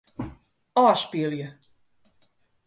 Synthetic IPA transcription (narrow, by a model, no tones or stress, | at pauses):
ɔːspiəljə